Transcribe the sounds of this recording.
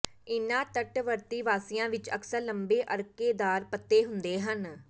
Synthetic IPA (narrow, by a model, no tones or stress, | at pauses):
ɪnãːt̪əʈʋəɾt̪iːʋaːsɪjãːʋɪt͡ʃə̰ksəɾləmbeːʔəɾkeːd̪aːɾpət̪ːeːɦʊnd̪eːɦən